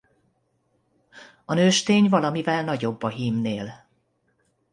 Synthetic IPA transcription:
ɒnøːʃt̪eːɲvɒlɒmivɛlnɒɟo̞bːɒɦimneːl

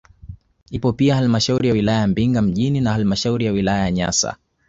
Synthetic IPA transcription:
hipɔpiahalimaʃauɾijawilajajambiŋɡam̩ʄininahalimaʃauɾijawilajajaɲa̰sa̰

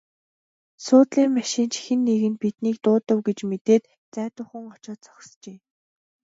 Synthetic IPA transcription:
sʊːt̪ɮiːŋmaʃiːnt͡ɕʰi̥xɘ̆nːeɣɘ̆npit̪niːk̚t̪ʊːt̪ə̆wɡet͡ɕmet̪eːt̪ | t͡sæːt̪ʊːχə̆ŋɔt͡ɕɔːt̪t͡sɔ̥xst͡ɕeː

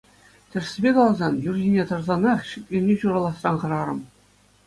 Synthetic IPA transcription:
tʲɘ̆rsʲɘbʲekɑlˠzɑnjurʑʲinʲet̪ɤ̆rzɑnɑχɕik̚ʲlʲenʲeɕuɾɑlˠɑsrɑnχɤ̆ɾɑɾɤ̆m

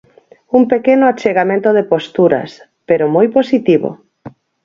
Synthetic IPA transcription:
umpekenoat͡ʃeɣamẽnt̪oðepost̪uɾa̰s | peɾomojposit̪iβo̰

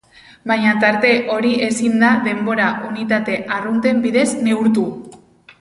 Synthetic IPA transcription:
bajɲat̪aɾt̪e̞ʔo̞ɾiʔe̞sind̪aðe̞mbo̞ɾaʔunit̪at̪e̞ʔarunt̪e̞mbiðe̞zne̞uɾt̪u

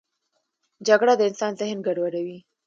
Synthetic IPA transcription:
d͡ʒaɡɽad̪əɪnsɑnzɪhnɡaɖwaɾawi

